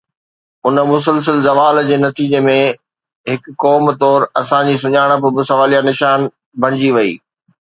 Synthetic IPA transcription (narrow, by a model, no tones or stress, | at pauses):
ʊnəmʊs̬əls̬əlzɐʋaːld͡ʑeːnɐt̪iːd͡ʑemẽ | ɦɪkːɔːmt̪ɔːɾɐsãd͡ʑis̬ʊɲaːɪɽ̃ə̆p̬ʊbɪsɐʋaːlijanɪʃaːn | bʱɐɽ̃ɪd͡ʑiʋɐḭː